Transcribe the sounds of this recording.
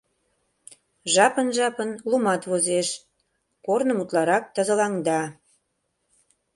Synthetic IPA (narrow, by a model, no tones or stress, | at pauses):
ʒɑpənʒɑpənlumɑt̪βozeʃ | kornəmut̪lɑɾɑk̚t̪əzəlɑŋd̪ɑ